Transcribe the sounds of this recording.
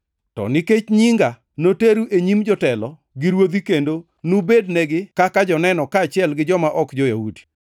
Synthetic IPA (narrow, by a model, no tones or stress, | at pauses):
tɔ̰nɪket͡ʃɲiŋɡa | noteɾuʔeɲimd͡ʒɔtɛlɔ | ɡɪɾwod̪ikendo | nubednɛɡɪkakad͡ʒɔnɛnɔkaːt͡ʃɪɛlɡɪd͡ʒɔmaʔɔkd͡ʒɔjahudi̥